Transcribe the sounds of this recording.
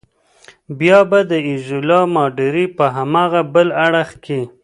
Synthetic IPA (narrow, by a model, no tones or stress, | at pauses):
bjɑbad̪əɪzʊlɑmɑɖɪɾipəɦamɑɣabəlaɽəxke